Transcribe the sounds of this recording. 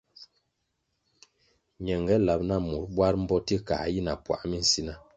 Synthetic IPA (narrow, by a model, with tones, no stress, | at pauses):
ɲɛ˨ŋɡɛ˨˦la˨p̚na˦˨mu˨ɾbwa˦ɾm̩˦bɔ˦ti˦ka̰˨ji˦na˨pwa̰˨ʔmi˦n̩˨si˦na˦